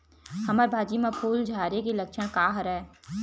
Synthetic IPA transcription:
hɐməɾbʱaːd͡ʒimapʰuːld͡ʒʱaːɾekilɐkʃəɽ̃kaːɦəɾɛː

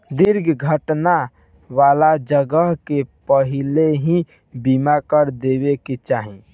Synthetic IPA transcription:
d̪iɾɡʱɡʱəʈna | ʋalad͡ʒəɡəɦkepəɦileɦĩ | bimakəɾd̪ebeket͡ʃaːɦi

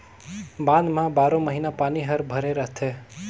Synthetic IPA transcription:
bãd̪mãbaɾõməɦinapaniɦəɾbʱəɾeɾəɦt̪ʰe

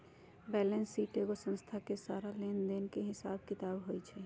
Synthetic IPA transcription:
bɛːlensːiːʈeːɡosə̃nst̪ʰakesaːɾaleːnd̪enkeɦɪsaːbkɪt̪aːbɦoːit͡ʃʰɛː

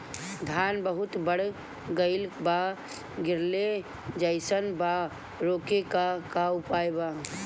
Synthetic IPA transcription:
d̪ʱanbəɦʊt̪bəɽ̤ | ɡəɪlba | ɡʱɪɾle | d͡ʒəɪsənba | ɾokekakaʊpajba

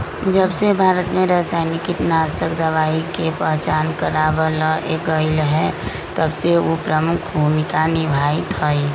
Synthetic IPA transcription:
d͡ʒəbsebʱaːɾət̪mẽɾəɦsaːɪnɪkiʈnaːsəkd̪əʋaːikepəɦt͡ʃaːnkəɾaʋələḛɡəɪlɦɛ | t̪əbseopɾəmʊkʰbʱuːmɪkanɪbʱait̪ɦɔi

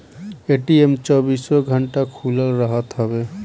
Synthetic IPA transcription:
eʈiemt͡ʃɔbiswɔɡʱəɳʈakʰuləlɾəɦət̪ɦɔbe

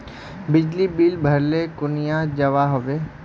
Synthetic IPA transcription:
bɪd͡ʒlibiːlbʱɐɾlekʊnijãd͡ʒɐʋaɦoʋeː

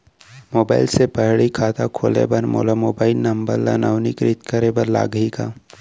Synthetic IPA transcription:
moːba̰ːɪlsepəɦɭikʰaːt̪akʰoːlḛbənmo̰ːlamoːbaːɪlnɐmbəɾla̰naʊnikɾit̪kəɾebəɾla̰ːɡɦikaː

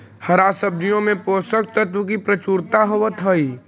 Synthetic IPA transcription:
hɐɾasəb̚d̪ijõmẽpoːsək̚t̪ət̪wuk̬ipɾɐt͡ʃuːɾt̪aɦoʋət̪ʰəi

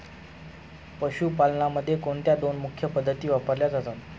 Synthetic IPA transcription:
pəɕuːpalnaməd̪ʱːjekoɳt̪jad̪onmukʰjəpəd̪ʱːət̪iːʋapəɾljad͡zat̪at̪

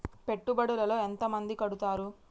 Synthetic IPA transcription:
pe̞ʈːubɐɽulɐlo̞ːent̪ɐmɐnd̪ikɐɽut̪aːɾu

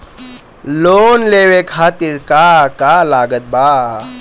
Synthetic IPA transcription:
loːnleːwekʰaːt̪iɾkakalaːɡət̪̚baː

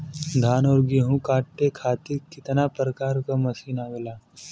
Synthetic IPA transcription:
d̪ʱaːnoːɾɡiɦũkaːʈʈekʰaːt̪ikɪt̪napɾəkaːɾkamɐsiːnaːɡlaː

